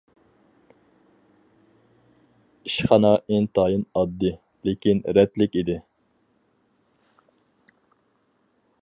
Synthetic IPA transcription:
iʃχɑnɑʔent̪ʰɑːjɨnɑd̪ːɨ | lekʲinɾɛt̪lɪkʲid̪ɪ

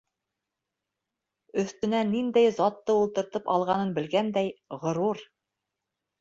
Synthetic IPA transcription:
ɵ̆θt̪ɵ̆nænind̪æjzɑt̪ːɤulˠt̪ɤ̆ɾt̪ɤpɑ̰lˠʁɑnɤnbɘ̆lɡænd̪æjʁŏɾuɾ

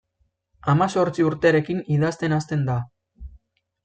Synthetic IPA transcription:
amaso̞ɾt͡siuɾt̪e̞aɾe̞kiniðast̪e̞nast̪e̞nd̪a

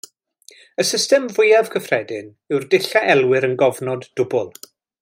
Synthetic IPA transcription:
əsɪstɛmvʊjav̥kʰəfrɛdɪn | ɨwrdɪɬaʔɛlˠwɪɾənɡɔvnɔdːʊbʊlˠ

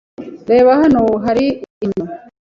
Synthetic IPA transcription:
ɾe̞ːβaɦanoɦaɾiːɲo

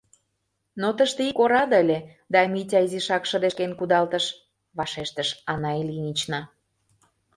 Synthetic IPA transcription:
not̪əʃt̪eikoɾɑd̪əlʲe | d̪ɑmitʲɑiziʃɑkʃəd̪eʃkenkud̪ɑlt̪əʃ | βɑʃeʃt̪əʃɑnɑelʲinʲit͡ɕnɑ

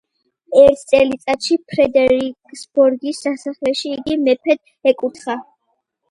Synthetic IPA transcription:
ɛɾt̪ʰt̪sʼɛlit̪sʼat̪ʃipʰɾɛd̪ɛɾikʼsb̥ɔɾɡisːasaχlɛʃiːɡimɛpʰɛd̪̥ | ɛkʼut̪ʰχa

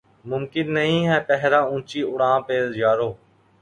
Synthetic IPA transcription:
mʊmkɪnːəɦĩːɦɛːpɛɦɾãːũːt͡ʃiːʔʊɽãːpeːzd͡ʒaːɾoː

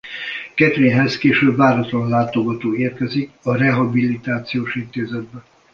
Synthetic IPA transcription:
kɛt̪ɾeːnɦɛskeːʃøbvaːɾɒt̪lɒnlaːt̪oɡɒt̪oːeːrkɛzikɒrɛɦɒbilit̪aːt̪sijoːʃint̪eːzɛd̪̚bɛ

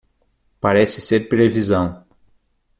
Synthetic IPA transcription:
paɾɛsɪseɾpɾevizɐ̃w̃

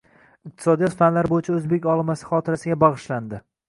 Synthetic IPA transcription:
ɪq̚t̪ʰɪ̥sɒd̪ijɒt̪fanlaɾbojɪt͡ʃʰaɵzbe̞kʲɒlˠɪmasɪ̥χɒt̪ʰɪɾasɪɡʲabɑʁɨʃland̪ɪ

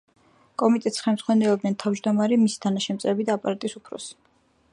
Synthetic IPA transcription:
kʼɔmit̪ʼɛt̪sχɛmz̥ʁwanɛlˠɔb̚nɛnt̪ʰavd͡ʒd̪ɔmaɾimisi̥t̪ʰanaʃɛmt̪sʼɾɛbid̪aːpʼaɾat̪ʼisupʰɾɔ̰s

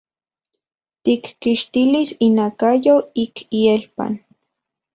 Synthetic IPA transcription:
t̪ikːiʃt̪ilisinakajoikʰielpa̰n

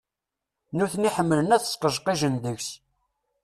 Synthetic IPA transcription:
nuθniħəmːələnæθə̥sqəʒqiʒənðəçs

